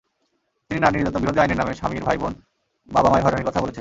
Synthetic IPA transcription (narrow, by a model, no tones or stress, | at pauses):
t̪ininaniɾd͡ʑɔt̪ːobiɾod̪ʱiaineɾnameʃa̰miɾbʱajbon | babamaeɾɦɔɾaneɾkɔt̪ʰaboleen